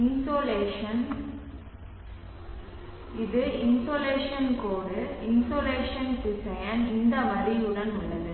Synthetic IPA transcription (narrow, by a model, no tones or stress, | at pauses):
ɪnsoːleːʂɐn | ɪðɯɪnsoːleːʂɐnkoːɽɯɪnsoːleːʂɐnkɪsɐjɐnɪnd̪ɐmɐɾiʊɽɐnʊɭːɐðɯ